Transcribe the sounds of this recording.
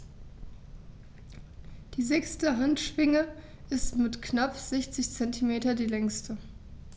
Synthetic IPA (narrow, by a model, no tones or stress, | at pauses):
d̥iːzɛkstəɦantʃv̥ɪŋə | ʔɪstmɪtknapz̥ɛçt͡sɪçt͡sɛntʰimeːtɐdiːlɛŋstə